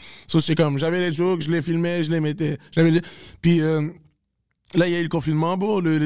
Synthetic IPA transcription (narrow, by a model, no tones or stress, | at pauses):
sost̪ɛkɔmʒavɛleʒokʒəlefilmeʒəlemet̪eʒ̥avɛlpɥiø | lailjayləkɔ̃finmɑ̃boləle